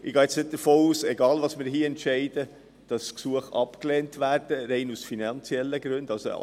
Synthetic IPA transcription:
ɪɡɑːɪt͡snɪt̚d̥əɾfoːuːsɛɡɑːlvɑːsmɪːɾɦiːɛntʃɛɪd̥ə | d̥ɑsksuəχɑpkleːntʰʋæːɾd̥əɾɛɪnusfinɑnt͡sjɛlːəɡɾʉndɑlso̰

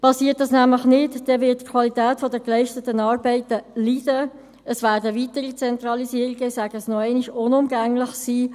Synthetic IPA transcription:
pɑsiːət̚d̥ɑsnæmləχnɪtd̥ɛʋɪtːkʰvɑlitæːtfɔdəklɛɪʃtətənɑːɾbɛɪtəlid̥ə | əsʋæːɾdəvitəɾit͡sɛnt̪ɾɑlisiːəɾiɡ̥əɪsæɡ̥əsnɔɛɪniʃʊnʊmɡæŋlɪχsiː

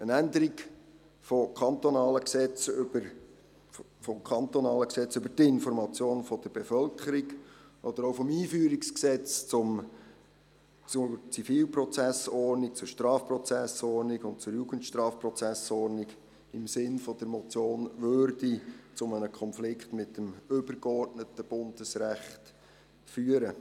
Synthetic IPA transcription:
ənænd̪əɾiɡ | fɔkʰɑnt̪ɔnɑːləksɛt͡sʏbəɾ | fɔmkʰɑnt̪ɔnɑːləksɛt͡sʏbəɾt̪ɪnfɔɾmɑt͡sjoːnfɔd̪̥əɾb̥efœlkχəɾiɡʔɔd̪əɾoʊfɔmiːfyːɾiksksɛt͡st͡sʊm | t͡sʊt͡sifiːlprɔt͡sæsɔrnik̚t͡sʊɾʃtɾɑːfprɔt͡sæsɔrniɡʊnt̚t͡sʊɾjuːɡ̥əntʃtɾɑːfprɔt͡sæsɔɾniɡ | ɪmsɪnfɔd̥̪əɾmɔt͡sjoːnʋøɾdit͡sʊmənəkʰɔnflɪkχtmɪtːəmʏb̥əɾɡɔrtnətəb̥ʊnd̥əsræχt | fyːəɾə

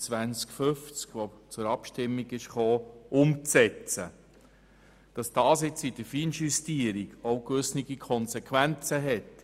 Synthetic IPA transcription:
t͡sʋænt͡skfʏft͡skʋot͡sʊɾɑpʃtɪmːiɡɪʃχoːʊmt͡sɛt͡sə | d̥ɑsd̥ɑːsɪt͡sidəfiːnʃystiəɾiɡoʊkʋʏsniɡikʰɔnsɛkʰʋænt͡səɦɛt

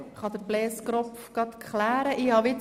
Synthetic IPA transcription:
χɑd̪əɾblɛːskɾɔpfɡ̥ɑt̪kχlæːɾəʔiːhɑʋɪ

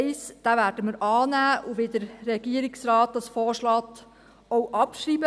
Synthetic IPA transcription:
ɪsd̥ævæːɾd̥əməɾɑːnæːʔuʋedəɾːɛɡ̥iəɾɪksrɑːt̪̚d̥̪ɑsfɔːʃlɑːt̪ | ɔwʔɑpʃriːbə

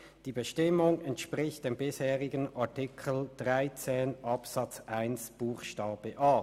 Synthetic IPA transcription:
d̥iːbəʃtɪmʊŋɛntʃpʁɪçt̚d̥eːmbɪsheːʁɪɡənaɐtɪkʰəl̩d̥ʁaɪt͡seːnʔɑpsɑt͡sʔaɪnsb̥uːxʃtaːb̥əʔaː

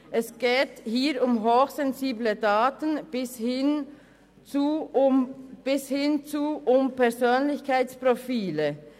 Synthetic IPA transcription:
ʔɛsɡ̥eːthiːɾʊmɦoːxz̥ɛnziːblədaːtənb̥ɪshɪn | t͡su | b̥ɪshɪnt͡suʔʊmpɛɐzøːnlɪçkʰaɪt͡spʁofiːlə

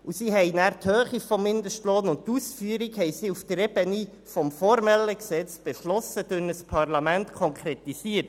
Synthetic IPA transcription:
usiːɦɛjnæːɾt̪høːχifɔmːɪnd̪əʃtloːnʊnttːusfyəɾikhɛɪsiːuft̪ərɛbəni | fɔmfɔɾmɛləksɛt͡sb̥eʃlɔsəd̥ʉnəspʰɑrlɑmæntkʰɔŋkʰɾɛt̪isiːət̚

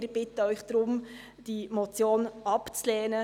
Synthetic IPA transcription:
ɾb̥ɪtəœʏχd̪̥ɾʊm | d̥imɔt͡sjoːnɑpt͡slɛːnə

